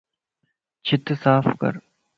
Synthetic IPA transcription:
t͡ʃʰɪt̪saːfkɐ̰ɾ

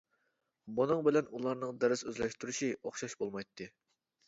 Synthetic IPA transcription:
munɨŋbɪlɛnulˠɑɾnɨŋd̪ɛɾɪsøzlɛʃt̪yɾuʃioχʃɑʃbolˠmɑjt̪ʰːɨ

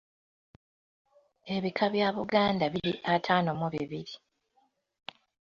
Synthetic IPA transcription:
e̞βikʰaβjaːβuɡaːndaβiɾḭʔatʰaːnomuβiβiɾi

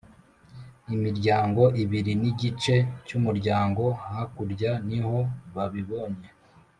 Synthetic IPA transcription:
imiɾɟaːŋɡo̞ʔiβiɾiniɟit͡ʃe̞cumuɾɟaːŋɡo̞hakuɾɟaniho̞βaβiβoɲe̞

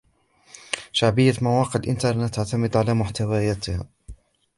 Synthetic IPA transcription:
ʃaʕbəjːamawɑːqəʕlʔɪnt̪ɑɾˤnet̪ːaʕt̪amɪd̪ʕalæːmʊħt̪awajæːt̪ha̰

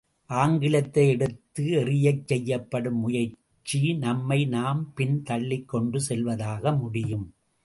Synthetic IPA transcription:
ʔaːŋɡɪlɐt̪ːɐɪɛɽɯt̪ːɯɛrɪjɐɪt͡ʃːɛjːɐpːɐɽɯmːʊjɐɾ | t͡ʃːinɐmːɐɪnaːmpɪnt̪ɐɭːɪkːɔɳɖɯsɛlʋɐðaːɣɐmʊɽɪjɯm

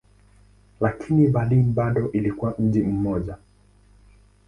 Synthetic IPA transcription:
lakʰiniɓalinbaɗɔʔilikuwam̩ʄim̩mɔʄa

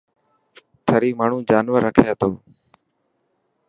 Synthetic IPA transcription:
t̪ʰəɾiːmaːɳ̤ũːd͡ʒaːnʋəɾːəkʰjaːt̪oː

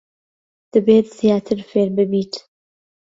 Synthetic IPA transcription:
d̪̥ɨbeːt̪z̥ijaːt̪ʰɨɾfeːɾbɨbiːt̪

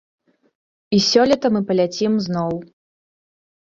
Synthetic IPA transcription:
isʲɔlʲit̪ɐmɨpɐlʲat͡sʲimznɔw

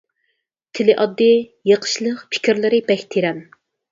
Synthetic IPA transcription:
t̪ʰɪlɪʔɑd̪ːɨjeqʰə̥ʃlˠəqpʰɪ̥kʲiɾlɪɾɪbɛkʲt̪ʰeɾɛn

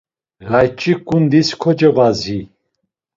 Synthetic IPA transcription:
ɣajt͡ʃʼikʼund̪iskʰɔd͡ʒɛvazi

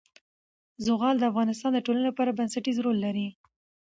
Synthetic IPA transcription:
zʊɣɑld̪əafɣɑnɪst̪ɑnd̪əʈolanepɑɾabansaʈizɾolːaɾi

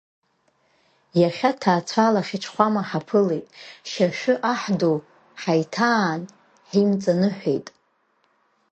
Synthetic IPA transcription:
jaχʲatʰaːt͡sʷʰalaχʲɪʈ͡ʂʰχʷamaħapʰɨlejtʼʃaʃᶣʏʔaħdo | ħajtʰaːn | ħimt͡sʼanɨħᶣʷejtʼ

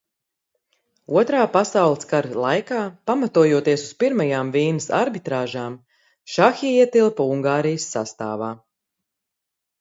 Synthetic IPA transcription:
uɔt̪ɾaːpasawlˠɨskaɾlˠajkaːpamat̪uɔjuɔt̪iɛsu̥spiɾmajaːmviːnəsa̰ɾbit̪ɾaːʒaːm | ʃaxiiɛt̪ilˠpauŋɡaːɾijəsːa̰st̪a̰ːvaː

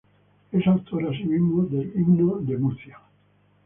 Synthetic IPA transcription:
esawt̪ʰoɾasimimoðeliɡnod̪emuθja

